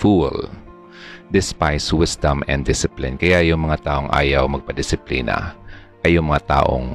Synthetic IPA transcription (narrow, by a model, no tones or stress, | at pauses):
fṵl | d̪ɪspajswɪsd̪ɐmɛ̰nd̪ɪsɪplɪnkɐjajʊŋmɐŋat̪aːʔoŋʔa̰ːjɐwmɐɡ̚pɐd̪ɪsɪplḭːnɐ̰ | ʔɐjʊŋmɐŋat̪a̰ːʔo̰ŋ